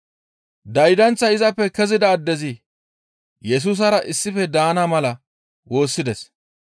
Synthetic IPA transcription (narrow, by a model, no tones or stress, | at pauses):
d̪ɐjd̪ɐnt͡sːɐɪzɐpːɛkɛzɪd̪ɐːd̪ːɛzɪ | jɛs̬uːs̬ɐɾɐʔɪsːɪfɛd̪aːnamɐlɐ | wo̞ːsːɪd̪ɛs